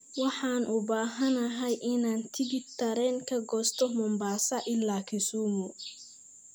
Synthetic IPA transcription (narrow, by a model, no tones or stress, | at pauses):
wɑħɑːnʔʊbaːɦɐnɐɦɐjʔɪnaːnt̪ʰɪbɪd̚t̪ʰɐɾɛːŋkʰɐɡɔːst̪ʰɔmɔmbaːsɐʔɪlːaːkʰɪsuːmʊ